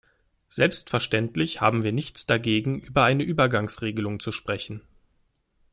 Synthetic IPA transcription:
z̥ɛlpstfɛɐʃtɛntlɪçha̰ːbm̩viːɐnɪçt͡sd̥aɡeːɡŋ̩ʔyːbɐʔaɪnəʔyːbɐɡaŋsʁeːɡəlʊŋt͡suʃpʁ̥ɛçn̩

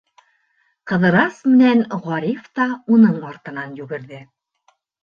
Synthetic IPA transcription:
qɤ̆ðɤ̆ɾɑsmɘ̆nænʁɒɾʲift̪ɑunɤɴɑɾt̪ɤ̆nɑnjʉɡɘ̆ɾðɘ

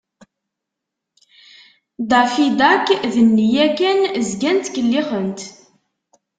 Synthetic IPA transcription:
d̪ɑfid̪ækːðənːijækænzɡænt̪kəlːiχənt̪

